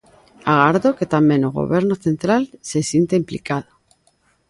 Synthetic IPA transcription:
aɣaɾðoke̞t̪amjẽ̞noɣo̰βeɾnoθe̞nt̪ɾalse̞sjent̪eimplḭkaðo

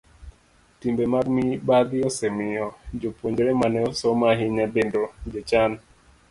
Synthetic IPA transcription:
timbemaɡmibad̪ɪosemɪɔd͡ʒopwoɲd͡ʒɾemanɛosɔmaɦiɲɛbendod͡ʒet͡ʃan

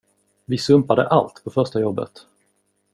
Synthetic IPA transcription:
vɪsɵmpad̪əʔa̰lt̪pʰɔfœɾʂʈajɔbːə̰t̪

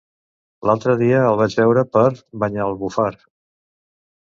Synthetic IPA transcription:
lalˠt̪ɾəðiəəlˠβad͡ʒβɛwɾəpəɾβəɲaəlˠβufaɾ

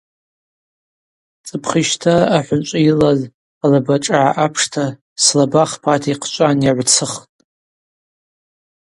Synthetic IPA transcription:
t͡sʼɨpʰχiʃtʰaaħʷʊnt͡ʃʷʼailaz | alabaʈ͡ʂʼaʕaʔapʰʂtʰa | slabaχpʰatʰiqʰt͡ʃʷʼanjaʕʷt͡sʰɨχtʼ

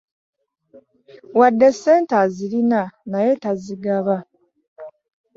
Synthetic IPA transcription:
wadːese̞ːntazilinanaje̞taziɡaβa

